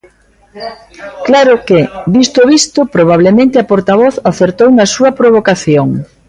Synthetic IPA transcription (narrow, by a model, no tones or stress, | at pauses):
klaɾʊkedist̪oβist̪ʊpɾoβ̞aβlemẽnt̪ɪɐpoɾt̪aβ̞ɔθaθeɾt̪ownɐsuɐpɾoβokaθjoŋ